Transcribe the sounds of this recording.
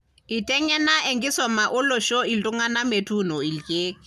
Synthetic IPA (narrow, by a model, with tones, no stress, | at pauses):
i˨tʼɛ˦ŋɛ˦na˦ʔe˨ŋɡi˦sɔ˨ma˨ʔʊ˦lɔ˨ʃɔ˦i˨tʼu˦ŋa˦na˦me˨tʰu˦˨nɔ˨i˨lkʼeː˦